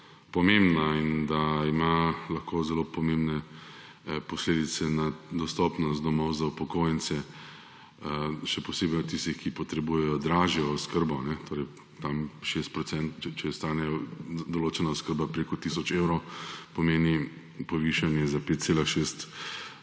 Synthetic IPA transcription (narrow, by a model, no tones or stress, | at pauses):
pɔmẽmbnaind̪aimalɐxkoːzɛlopɔmẽmbnɛ | pɔsleːd̪it̪sɛnad̪ɔst̪ɔːpnɔst̪̚d̪ɔmɔwzaupɔkoːjɛnsɛ | ʃɛpɔseːbɛjɔt̪t̪ist̪ixkipɔt̪ɾɛbujɛjɔd̪ɾaːʒjɛɔskəɾbɔnɛt̪oːɾɛj | t̪amʃest̪̚pɾɔtsɛnt̪t͡ʃɛt͡ʃɛɛst̪aːnɛjɔd̪ɔloːt͡ʃɛnaɔskəɾbapɾeːkɔt̪isɔt͡ʃewɾopɔmeːni | pɔʋiʃanjɛzapeːt̪t̪selaʃest̪